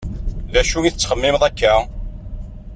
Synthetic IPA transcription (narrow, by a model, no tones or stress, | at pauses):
ðæʃujiθət͡sːχəmːɪmðˤækːæ